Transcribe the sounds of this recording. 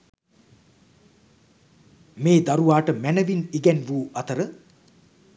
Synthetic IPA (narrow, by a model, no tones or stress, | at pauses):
meːd̪aɾuʋaːʈəmænəʋiniɡɛnʋuːɐt̪əɾə